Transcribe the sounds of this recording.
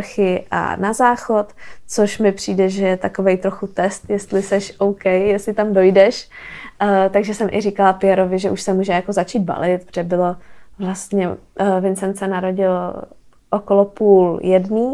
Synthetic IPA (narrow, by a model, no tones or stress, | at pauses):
xɪʔa̰nazaːxo̞t̪t͡soʃmɪpr̝̥iːdɛʒɛjɛt̪ako̞vejt̪ɾo̞xut̪ɛst̪jɛst̪lɪsɛʃʔowkɛjjɛst̪lɪt̪amdo̞jdɛʃ | t̪aɡʒɛsɛmʔɪ̰rikalapɪjɛɾo̞vɪʒɛʔuʃsɛmuːʒɛjako̞zat͡ʃiːd̪̚ba̰lɪt̪̚pʒ̥ɛbɪlo̞vlast̪ɲɛvɪnsɛnsɛnaɾo̞ɟɪl | ʔokolopuːljɛdniː